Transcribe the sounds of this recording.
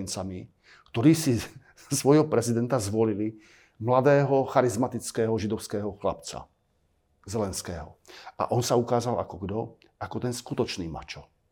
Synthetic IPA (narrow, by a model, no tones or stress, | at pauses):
nt͡sami | kt̪ɔɾiːsi | sʋɔjɦɔpɾɛzid̪ɛnt̪azʋɔlili | mlad̪ɛːɦɔxaɾizmat̪it͡skɛːɦɔʒid̪ɔʊskɛːɦɔxlapt͡sa̰ | zɛlɛnskɛːɦɔ̰ʔa̰ʔɔnsaukaːzala̰kɔɡd̪ɔ | akɔt̪ɛnskut̪ɔt͡ʃniːma̰t͡ʃɔ